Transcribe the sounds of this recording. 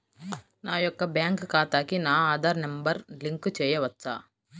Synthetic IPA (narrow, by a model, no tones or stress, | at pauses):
naːjɔkːɐbjaːŋkkaːt̪aːkinaːaːd̪aːɾnɐmbɐɾliŋkt͡ʃɛːjɐʋɐtːsa̰ː